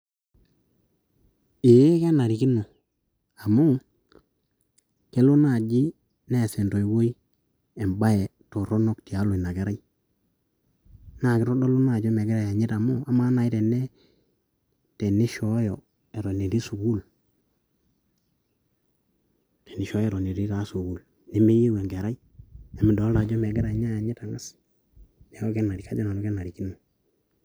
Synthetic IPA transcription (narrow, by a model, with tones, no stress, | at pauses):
e˨je˦ka˦na˨ɾi˨ki˦no˨ | a˨mu˦ | ke˦lo˦na˦˨d͡ʒi˦ | ne˦˨sɛ˨nto˨i˨wo˦i˦ | ɛ˨mba˦ɛ˨to˨ɾɔ˦no˦˨k̚ti˨a˨˦lo˨i˨na˨ɡɛ˦ɾa˦i˦ | na˦˨kɪ˦ɾɔ˦do˦lo˦na˦˨d͡ʒo˦me˨ɡɛ˦ɾa˦˨ja˨ɲi˦ta˨mu˦a˦ma˦na˨i˦tɛ˨nɛ˦ | te˨ni˦ʃɔ˦jɔ˨ | e˨ɾo˨ne˨ɾi˦su˨ɡu˦l | te˨ni˨ʃɔ˦e˨ɾo˨ne˨ɾi˦ta˨˦su˨ɡu˨l | ne˦me˦ji˦we˨ŋɡe˨ɾa˦i˦ | e˨mi˨do˨˦la˨d͡ʒo˦me˨ɡɛ˦ɾa˨jɲa˦ja˨ɲi˦ta˨ŋa˦s | ɲa˨o˦ɡe˦nːa˨ɾi˨ka˦d͡ʒa˦na˨no˦ɡe˦na˨ɾi˨ki˦nu˨